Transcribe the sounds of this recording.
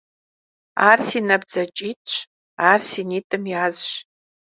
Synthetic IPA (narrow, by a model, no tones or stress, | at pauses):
arsinɐbd͡zɐt͡ʃʼitʼʰt͡ʃʷʰ | aːrsinitʼɨmjaːzʃ